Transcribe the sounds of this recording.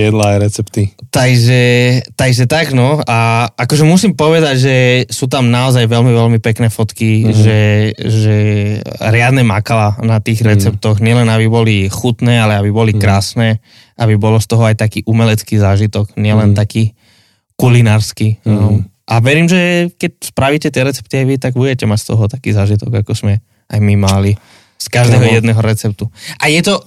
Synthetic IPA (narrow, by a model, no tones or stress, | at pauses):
jɛd̪laːjɾɛt͡sɛpt̪it̪aɡʒɛt̪aɡʒɛt̪aɡnɔaakɔʒɛmusimpɔʋɛd̪aɟʒɛsuːt̪̬amnaɔzajʋɛlmiʋɛlmipɛknɛːfɔt̪kiʒɛʒɛ | ɾɪad̪nɛmakalanat̪iːɣɾɛt͡sɛp̚t̪ɔɣɲɪɛlɛnabibɔlixut̪nɛːalɛabibɔlikɾaːsnɛː | ʔabibɔlɔst̪ɔɦɔajt̪akiːʔumɛlɛt͡skiːzaːʒit̪ɔkɲɪɛlɛnt̪akiː | kulinaːɾski | ʔaʋɛɾiːmʒɛkɛc̚spɾaʋiːcɛt̪ɪɛɾɛt͡sɛ̥p̚t̪iajʋit̪aɡbuɟɛcɛmacst̪ɔɦɔt̪akiːzaːʒit̪ɔɡakɔz̥mɛ | ajmimali | skaʒd̪ɛːɦɔjɛd̪nɛːɦɔɾɛt͡sɛp̚t̪uʔajɛt̪ɔ